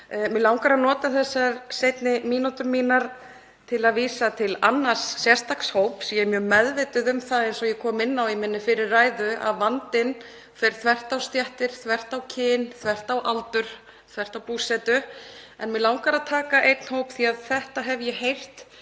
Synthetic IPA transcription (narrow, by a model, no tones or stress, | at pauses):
mɛlawŋkaɾaðnɔːt̪aθɛsːaɾsejt̪nɪmiːnut̪ʏmiːnaɾ̥ | t̪ʰɪlaðviːsat̪ʰɪla̰nːḁsːjɛ̥st̪akshowpsiɛmjœːmɛðvɪt̪ʏðʏmθaðejnsɔjɛkʰɔːmɪnːawimɪnːɪfɪɾɪrraːjðʏʔa̰ðvant̪ɪn | fɪɾ̥θʰvɛr̥t̪awst̪jaht̪ɪɾ̥θvɛr̥t̪awcʰɪːnθvɛr̥t̪awʔalt̪ʏɾ̥ | θvɛr̥t̪awpuːsɛt̪ʏɛ̰nmɛlawŋkaɾaðt̪ʰaːkaʔejt̪n̥howpθiaðθɛht̪aɦɛvjɛɦejr̥t̪